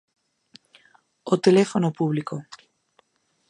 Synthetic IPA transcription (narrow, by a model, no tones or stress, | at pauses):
ot̪elefonopuβliko